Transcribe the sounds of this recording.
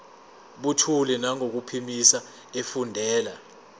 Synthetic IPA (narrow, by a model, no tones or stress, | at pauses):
ɓutʰulɛnaŋok̬upʰimisa | efundʱɛːla